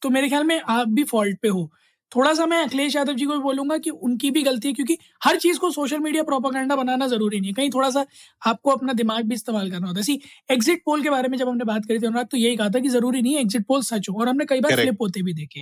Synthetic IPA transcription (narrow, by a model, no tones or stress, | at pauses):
t̪omeːɾexjaːlmẽʔaːp̚bʱifɔːlʈ̚peɦoː | t̪ʰoːɽas̬amɛ̃ɐkleːʃ̬aːd̪əʋd͡ʒikobʱiboːlũːŋɡakiʊnkibʱiɣɐlt̪iɦɛkjõːki | hɐɾt͡ʃiːzkosoːʃ̬əlmiːɖijapɾɔːp̬əɡɛ̃ɳɖabɐnaːnazɐɾuːɾinɐɦĩkɐɦĩt̪ʰoːɽas̬a | aːp̚koɐpnad̪ɪmaːɡ̚bʱiɪst̪eːmaːlkɐɾnaɦoːt̪aɛsieːkzɪʈ̚poːlk̬ebaːɾemẽd͡ʒɐbɦɐmnẽbaːt̪̚kɐɾit̪ʰiɦʊnɾaːt̪ːojeɦikɐɦat̪̬ʰak̬izɐɾuːɾinɐɦĩeːɡzɪʈ̚poːlsɐt͡ʃɦõɔːɾɦɐmnekɐibaːɾlɪpoːt̪ebʱid̪eːkʰeː